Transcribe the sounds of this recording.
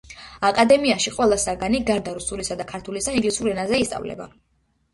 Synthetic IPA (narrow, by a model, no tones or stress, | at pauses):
akʼad̪ɛmiaʃiqʼwɛlˠasaɡaniɡaɾd̪aɾusuɾisad̪akʰaɾt̪ʰulisaĩnɡlisuɾɛnazɛist̪sʼa̰vlɛ̰ba̰